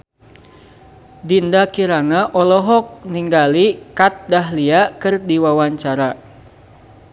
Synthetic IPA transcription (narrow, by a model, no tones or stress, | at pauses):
dindakiɾaŋaʔɔlɔɦɔk̚niŋɡalikat̪̚daɦliakɨrdiwawaɲt͡ʃaɾa